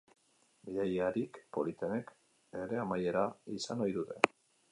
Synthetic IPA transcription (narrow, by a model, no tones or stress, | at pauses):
biðajaɾikpo̞lit̪e̞ne̞k | e̞ɾe̞amaje̞ɾaisano̞jðut̪e̞